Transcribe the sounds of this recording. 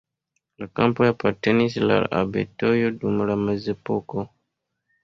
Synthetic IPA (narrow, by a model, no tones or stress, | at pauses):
lakampojapatenisla̰ɾa̰bḛtojodumɾamazepoko